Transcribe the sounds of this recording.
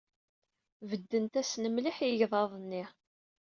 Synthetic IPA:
vəd̪ːənt̪æsnəmliħjəʝðˤɑðˤnːɪ

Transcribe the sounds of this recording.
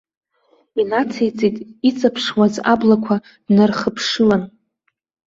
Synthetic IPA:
inat͡sʰejt͡sʼitʼit͡sʼapʰʂwazablakʷʰa | d̥narχəpʰʂɨlan

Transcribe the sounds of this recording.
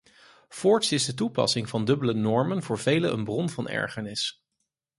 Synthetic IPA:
fɔɹtsɪzdət̬upɑ̰sɪŋvɑndɵbələnɔɹmənvʊːɹv̥ejləə̰nbrɔnvɑnɛ̰ɹχəɹnɪs

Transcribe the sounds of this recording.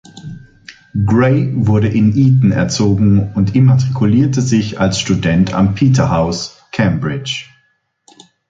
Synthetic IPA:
ɡʁeɪvʊɐɾəʔɪnʔiːtn̩ɛ̰ɐt͡soːɡŋ̩ʊntʔɪmatʁ̥ikʰuliːɐtəzɪçalsʃtudɛntʰa̰mpʰiːtɐɦaʊs | kʰɛmbʁɪt͡ʃ

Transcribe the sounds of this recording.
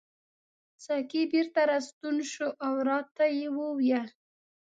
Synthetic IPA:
sakibeɾt̪aɾast̪unʃoʔawɾɑt̪ajewəwja

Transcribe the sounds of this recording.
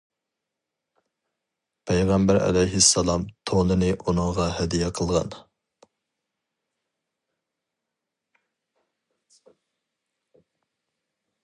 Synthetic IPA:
pʰɛjʁæmbæɾɛ̰lɛjɦɪsːɑlˠɑmt̪ʰolˠɨnɨʔunɨŋʁɑhɛd̪ijɛqʰəlˠʁɑn

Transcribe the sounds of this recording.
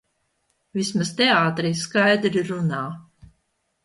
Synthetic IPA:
vismast̪ɛaːt̪ɾijskajd̪ɾiɾunaː

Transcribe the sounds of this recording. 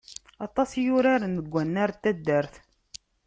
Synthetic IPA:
ɑt̪ˤɑsjʊɾaɾənəɡʷːænːaɾt̪ːæd̪ːəɾθ

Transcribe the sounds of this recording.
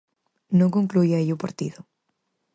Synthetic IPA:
nõkoŋklujaiupaɾt̪iðo

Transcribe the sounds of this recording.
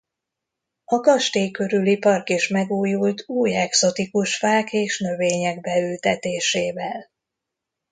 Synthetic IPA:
ɒkɒʃt̪eːkø̞ɾylipɒrkeːʃmɛɡuːjult̪uːjɛkso̞t̪ikuʃfaːkeːʃnø̞veːɲɛɡ̚bɛylt̪ɛt̪eːʃeːvɛl

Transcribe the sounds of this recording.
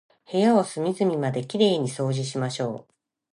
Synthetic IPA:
he̞jaosɨmʲizɨmʲimad̪e̞kʲiɾe̞ːɲ̟iso̞ːʑiɕimaɕo̞ː

